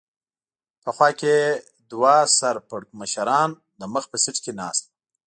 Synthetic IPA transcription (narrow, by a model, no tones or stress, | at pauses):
pəxwɑke | d̪wasaɾpəɽməʃaɾɑn | d̪əməxpəsɪʈkenɑ̰ːst̪̚